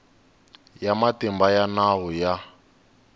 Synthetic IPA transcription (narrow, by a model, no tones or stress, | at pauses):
jamatɛmbajanawɔja